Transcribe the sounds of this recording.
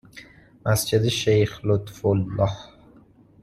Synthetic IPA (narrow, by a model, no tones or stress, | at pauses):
masd͡ʒɪd̪ɪʃejχlʊt̪fʊlːɑh